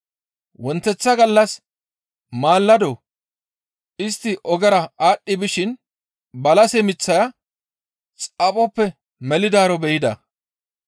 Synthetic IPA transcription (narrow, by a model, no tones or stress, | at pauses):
wɔnt̪ːɛt͡sːɐɡɐlːɐs | maːlːɐd̪ɔ | ʔɪst̪ːɪʔɔɡɛɾɐaːɗːɪbɪʃɪn | bɐlɐsɛmɪt͡sːɐjɐ | t͡sʼɐpʼɔpːɛ | mɛlɪd̪aːɾɔbɛjɪd̪ɐ̰